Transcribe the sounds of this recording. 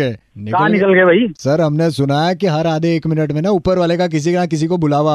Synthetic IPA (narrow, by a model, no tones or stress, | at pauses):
ɛnɪkaɦnɪkəlɡɐbʱisɐɾɦɐmnesʊnaːjakiɦɐɾaːd̪ʱeːkmɪnəʈmẽnaupəɾʋaːlekak̬ɪs̬ikeɾãːk̬ɪs̬ikobʊlaːʋa